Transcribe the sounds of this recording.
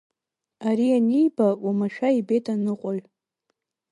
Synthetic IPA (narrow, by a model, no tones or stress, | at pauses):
aɾianijbawamaʃᶣaibetʰʼanɨqʷʼʊl